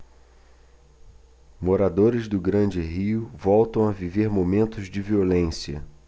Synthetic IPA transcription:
moɾad̪oɾɪzd̪ʊɡɾɐ̃nd͡ʒɪɦiʊvɔwt̪ɐ̃w̃aviveɾmomẽnt̪ʊzd͡ʒɪviolẽsiɐ̰

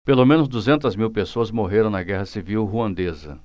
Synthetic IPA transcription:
pelomẽnʊzd̪uzẽnt̪ɐzmiwpesoɐzmoɦeɾɐ̃w̃nɐɡɛɦɐsiviwɦuɐ̃nd̪ezɐ̰

